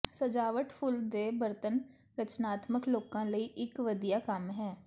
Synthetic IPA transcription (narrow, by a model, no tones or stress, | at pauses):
səd͡ʒaːʋəʈpʰʊld̪eːbəɾt̪ən | ɾət͡ʃnaːt̪məkloːkãːləiːʔɪkʋəd̪ijaːkəmɦɛː